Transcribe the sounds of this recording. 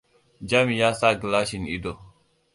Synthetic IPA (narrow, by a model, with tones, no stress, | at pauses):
d͡ʒa˦mi˨ja˦sa˦ɡi˨la˦ʃi˨nḭ˦do˨